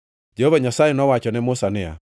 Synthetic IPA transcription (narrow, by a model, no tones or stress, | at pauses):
d͡ʒehovaɲasajɛnɔwat͡ʃɔnɛmʊsanɪa̰